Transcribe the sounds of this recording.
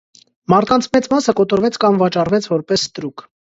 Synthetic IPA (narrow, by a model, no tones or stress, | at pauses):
mɑɾt̪kɑnt͡sʰmɛt͡smɑsəkɔt̪ɔɾvɛt͡sʰkɑmvɑt͡ʃɑrvɛt͡sʰvɔɾpɛsːt̪ɾuk